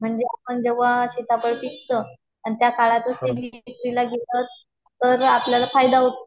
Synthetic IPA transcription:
m̤əɳd͡zeapəɳd͡ʑeʋaɕit̪apəɽpikt̪ə | anit̪jakaɭat̪əst̪elikɾilaɡʱet̪ət̪ | t̪ːəɾapljalafajd̪aɦot̪ḁ

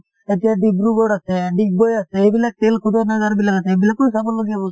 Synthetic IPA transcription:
etijaɖibɾuɡɔɽasɛɖik̚bojasɛejbilak̚ʈelkʰud̪ʱɔnaɡaɾbilakaseebilakːɔsabɔlːoɡiabɔ

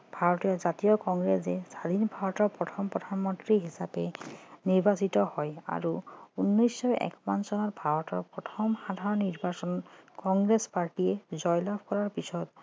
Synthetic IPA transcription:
bʱaɹɔtɔjazatijɔkɔŋɡɹesɛsadinbʱaɹɔtɔɹpɹɔtʰɔmpɹɔdʱanmɔntɹiɦisapɛniɹbasitɔhɔja̰ɹuunːɔjsːɔɛ̰kmansɔnɔtbʱaɹɔtɔɹpɹɔtʰɔmxadʱaɹɔnːiɹbasɔnkɔŋɡɹespaɹʈiɛzɔjlabʰʱkɔɹaɹpisɔt

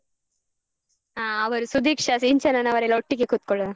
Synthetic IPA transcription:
aːɐʋɐɾusud̪ʱiːkʂɐsiɲt͡ʃɐnɐnɐʋɐɾelːoʈːikekut̪̚kɔɭɐ

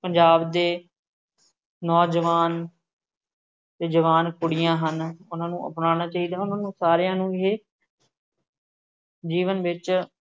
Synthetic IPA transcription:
pəɲd͡ʒaːbd̪eː | nɔːd͡ʒəʋaːn | t̪eːd͡ʒəʋaːnkʊɽɪjãːɦənʊnãːnũːʔə̰pnaːɽ̃aːt͡ʃaːiːd̪aːʊnãːnũːsaːɾejãːnũːɪɦeː | d͡ʒiːʋənʋɪt͡ʃ

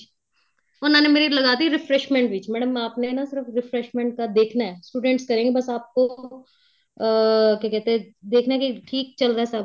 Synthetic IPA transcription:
ɔːɾnaːnemeːɾilɐɡaːt̪iɾɪfɾɛʃmɛ̃ɳʈʋɪt͡ʃmɛːɽəmaːpnenasɪɾəfɾɪfɾɛʃmɛ̃ɳʈ̚kad̪eːkʰnaɦɛːsʈuːɖɛ̃ɳʈskɐɾẽːŋɡebɐsaːp̚ko | kjakɛɦt̪eɦɛ̃d̪eːkʰnaɦɛkiʈʰiːk̚t͡ʃɐlɾaɦɛsɐb

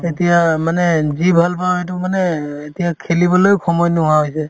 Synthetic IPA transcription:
etijamanɛzibʱalpawet̬ʊmanɛetijakʰelibɔlojkʰɔmɔjnʊɦaɦojsɛ

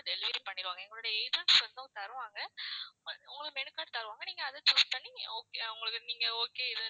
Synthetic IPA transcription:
d̪ɛlʋɪːɾɐmpɐɳːɪɾɯʋaːŋɡɐɛŋɡɐɭoːɽɐjɐɛjðɐsɐnd̪oːt̪ɐɾɯʋaːŋɡɐ | ʊ̰ŋɡɐɭɯɯmɛɳɯkːaːʈt̪ɐɾɯʋaːŋɡɐniːŋɡɐːðɯt̪ʊpɐɳːioːkeʊŋɡɐɭɯkːɯniːŋɡɐoːkeːɪðɯ

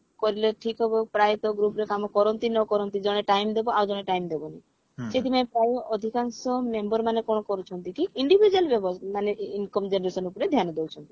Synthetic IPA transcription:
kɔɾileʈʰikɦɔbɔpɾajt̪ɔɡɾupɾekamɔkɔɾɔnt̪inɔkɔɾɔnt̪id͡ʒɔɽ̃eʈajmd̪ebɔawd͡ʒɔɽ̃eʈajmd̪ebɔnaj | set̪imaepɾajɔʔɔd̪ʱikaŋsɔmembɔɾmanekɔɽ̃ɔkɔɾut͡ʃʰɔnt̪ikiiɳɖibʱid͡ʒualbjɔbɔmaneinkɔmd͡ʒenɔɾesɔnupɔɾed̪ʱjanɔd̪ewt͡ʃʰɔnt̪i̥

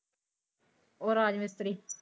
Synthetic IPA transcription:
oɾaːd͡ʒmɪst̪ɾi

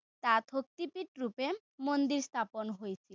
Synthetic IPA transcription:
t̪at̪ʰok̚t̪ipiʈɾupe | mond̪iɾst̪ʰaponɦojet͡ɕʰi

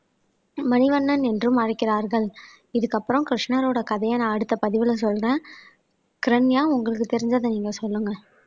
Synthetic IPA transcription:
mɐnɪʋɐɳːɐnɛndrɯmɐrɪkːɪɾaːɾɣɐɭ | ɪðɯkːɐpːɯɾɐ̃mkɪɾʂnaɾoːɽɐkɐðɐjanãːɐɽɯt̪ːɐpɐðɪʋɪlɐs̬ɔlːrẽː | kɪɾɐɳːɪjaːʊŋɡɐɭɯk̬ːɯt̪ɛɾɪɲd͡ʒaːðɐniːŋɡɐsɔlːɯŋɡɐ

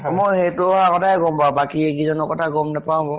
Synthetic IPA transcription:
mojɦetʊɔɦakɔtʰajɡɔmbabakiekizɔnɔkɔtʰaɡɔmnapawbɔ

